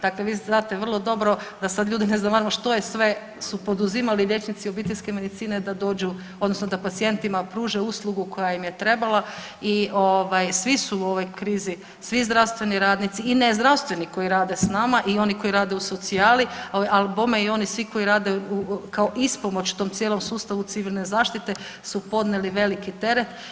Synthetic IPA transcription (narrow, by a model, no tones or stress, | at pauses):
d̪akleʋiaːt̪eʋr̩lˠo̞d̪o̞bɾo̞d̪asad̪ʎʲuːd̪ineznamaɾamoʃt̪o̞jesʋe̞ | supo̞d̪uzimaliʎʲje̞t͡ʃnit̪siobit̪eʎʲske̞me̞d̪it̪siːne̞d̪ad̪o̞ːd͡ʒu | od̪no̞snod̪apat̪sie̞nt̪imapɾuːʒeuslˠuɡuko̞jaimjet̪ɾe̞balˠa | iʔoʋajsʋisuuoʋo̞jkɾiːzi | sʋizd̪ɾawst̪ʋe̞niɾaːd̪nit̪siːnezd̪ɾawst̪ʋe̞niko̞iɾaːd̪e̞snamaʔio̞niko̞iɾaːd̪euso̞t̪siaːlioalbomeio̞nisʋiko̞iɾaːd̪eukaoʔispo̞mo̞t͡ɕt̪omt̪sijeːlo̞msuːst̪aʋut̪iʋilʲne̞zaːʃt̪it̪e̞ | supo̞d̪neliʋe̞likit̪e̞ɾet̪